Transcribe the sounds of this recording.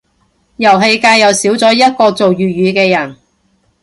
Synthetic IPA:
jɐ˨˩wɦe˧jkaː˧jːɐ˨wsiː˨˥wt͡sɔː˨˥jɐ˥t̚kɔː˧t͡so˨wjyː˨jyː˨˧kɛː˧jɐ˨˩n

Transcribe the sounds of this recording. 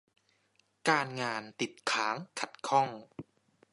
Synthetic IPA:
kaː˧nŋaː˧nt̪i˨˩t̪̚kʰaː˩˦˥ŋkʰa˨˩t̪̚kʰɔ˥˩ŋ

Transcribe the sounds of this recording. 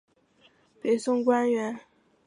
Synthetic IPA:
pe˨˧˥ɪsʊ˥ŋkwa˥nɥɛ˧˥n

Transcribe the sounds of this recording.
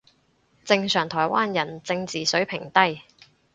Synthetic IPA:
t͡sɪ˧ŋsœː˨˩ŋt̪ʰɔː˨˩jwʔaː˥njɐ˨˩nt͡sɪ˧ŋt͡siː˨˩sɵ˨˥ɥpʰɪ˨˩ŋt̪ɐ˥j

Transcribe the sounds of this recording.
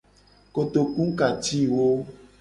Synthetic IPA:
ko˨t̪o˨kũ˦ka˨t̪i˦wo˦

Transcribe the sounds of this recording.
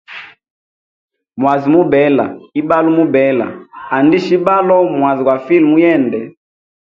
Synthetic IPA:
mwa˨zi˨mu˦bɛ˨˦la̰˨i˦ba˦lu˦mu˦bɛ˨˦la̰˨a˨ndi˦ʃi˦ba˦lɔ˦mwa˨zi˨kwa˨fi˦lmu˦jɛ˦˨ndɛ˨

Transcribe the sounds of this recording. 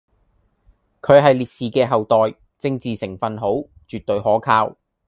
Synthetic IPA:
kʰɵ˨˧ɥɦɐ˨jliː˨t̚siː˨kɛː˧ɦɐ˨wt̪ɔː˨˩j | t͡sɪ˧ŋt͡siː˨sɪ˨˩ŋfɐ˨nɦo˨˥wt͡ʃyː˨t̚t̪ɵ˨˧ɥhɔː˨˥kʰaː˧w

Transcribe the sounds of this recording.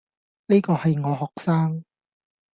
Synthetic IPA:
ni˥kɔː˧hɐ˨jŋɔː˨˧hɔː˨˩k̚saː˥ŋ

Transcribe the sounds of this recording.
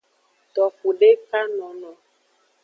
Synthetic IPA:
t̪ɔ˨fu˨ɖe˦ka˦nɔ̃˨nɔ̃˨

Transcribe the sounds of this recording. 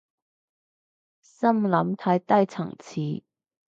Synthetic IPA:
sɐ˥mlɐ˨˧˥mt̪ʰaː˧˥jt̪ɐ˥jt͡sʰɐ̰˨˩ŋt͡sʰiː˨˥

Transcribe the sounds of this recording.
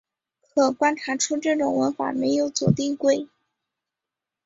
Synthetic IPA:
kʰɤ˨˩kwa˥nʈ͡ʂʰa˧˥ʈ͡ʂʰu˥ʈ͡ʂɤ˥˩ʈ͡ʂʊ˨˩ŋwə˧˥nfa̰˨˩me˧˥ɪjo˧˥ʊt͡swɔ̰˨˩t̪i˥˧ŋkwe˥˩ɪ

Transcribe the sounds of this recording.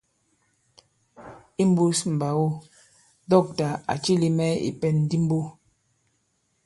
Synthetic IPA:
i˦m̩˦bu˦sm̩˨ba˨wu˦ | dɔ˦˨k̚ta˨a̰˨t͡ʃi˦li˦mɛ˦ḭ˨pɛ˦nn˦di˦m̩˦bu˦

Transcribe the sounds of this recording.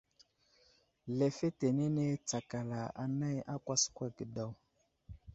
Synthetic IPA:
lɛ˨fe˦te˨ne˦ne˦t͡sa˨ka˨la˨a˨na˦jʔa˦kwa˦skʷa˦ɡə˨da˨w

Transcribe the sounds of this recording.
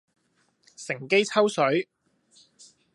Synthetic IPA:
sɪ˨˩ŋke˥jt͡sʰɐ˥wsɵ˨˥ɥ

